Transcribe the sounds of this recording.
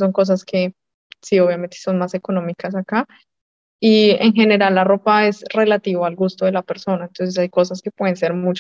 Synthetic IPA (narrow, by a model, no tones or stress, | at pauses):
so̞ŋko̞s̬askʰe̞ | sio̞βjame̞nt̪eso̞nmase̞ko̞no̞mikasaka | ieŋxe̞ne̞ɾalːaro̞pae̞sre̞lat̪iβaalɡust̪oðe̞lape̞ɾso̞naẽnt̪o̞ns̬esajko̞saske̞pwe̞ðense̞ɾmut͡ʃ